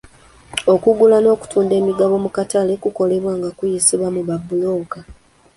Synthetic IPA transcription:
o̞kuɡulano̞ːku̥tuːnde̞ːmiɡaβo̞mukatalekuko̞le̞βwaːŋɡakujisiβwamuβabːuloːka

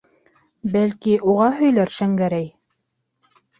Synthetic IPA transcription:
bælkiʔuʁɑɦɵ̆jlæɾʃæŋɡæɾæj

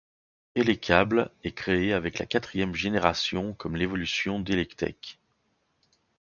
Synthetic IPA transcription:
elekʲʰablɛkχeeavɛkla̰kat̪χijɛmʒeneʁasjɔ̃kɔmlevɔlysjɔ̃d̪elɛkt̪ɛ̰k

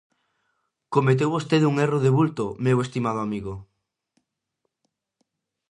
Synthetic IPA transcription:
komet̪̬ewβost̪eðuŋeroðeβult̪omewest̪imað̞oamiɣo

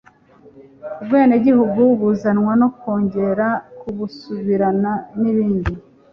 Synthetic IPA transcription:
ubweːneɟihuɡuβuzanwano̞ko̞ːɲɟe̞ɾakuβusuβiɾananiβiːndi

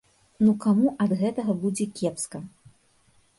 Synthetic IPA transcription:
nukamuʔɐd̪ɣɛt̪ɐɣɐbud͡zʲɛkʲɛpskɐ

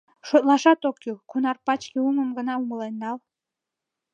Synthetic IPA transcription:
ʃot̪lˠɑʃɑt̪okjukunɑrpɑt͡ɕkʲeumə̆mɡə̆nɑuməlˠenːɑlˠ

